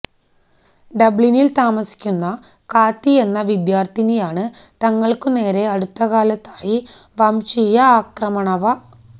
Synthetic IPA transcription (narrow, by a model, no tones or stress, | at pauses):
ɖɐbɭinilt̪aːmɐsi̥kʲːunːɐ | kaːt̪ːie̞nːɐʋid̪jaːrt̪inejaːɳɨ | t̪ɐŋːɐɭkɨne̞ːɾe̞ɐɽut̪ːɐɣaːlɐt̪ːaːji | ʋɐmɕijɐaːkrɐmɐɳɐʋɐ